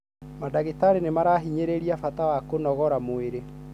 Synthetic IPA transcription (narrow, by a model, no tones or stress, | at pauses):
madaɣetaɾenemaɾaɦiɲeɾeɾiafatawakonɔɣɔɾamoeɾe